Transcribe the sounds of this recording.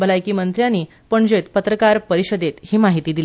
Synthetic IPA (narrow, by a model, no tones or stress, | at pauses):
bəlajkiːmənt̪ɾjãniː | pəɳd͡ʑet̪pət̪ɾəkaɾpəɾiɕəd̪et̪ɦiːmaɦit̪iːd̪ili